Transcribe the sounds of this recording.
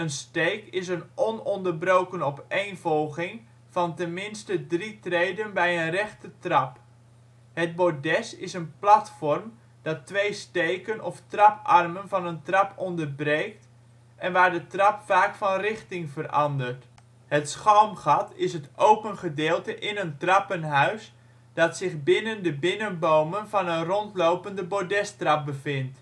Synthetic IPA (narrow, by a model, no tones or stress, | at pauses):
ənstejkɪs̬ənʔɔnɔndərbrowkənɔpejnvɔlˠχɪŋ | v̥ɑntɛnmɪnstədritrejdənbɛjənrɛχtətrɑp | ɦəd̚bodɛsɪsənplɑtfɔrm | d̥ɑtʋejstejkənʔɔftrɑpɑrmənvɑnəntrɑpɔndərbrejkt | ʔɛnʋaːɹdətrɑpfaːkfɑnrɪχtɪŋvərʔɑndərt | hətsχɔwmχɑtɪsɦətʔowpənχədɪːlˠtəʔɪnəntrɑpənɦœɥs | d̥ɑtsɪχbɪnəndəbɪnənbowmənvɑnənrɔntlowpəndəbodɛstrɑp̚bəvɪnt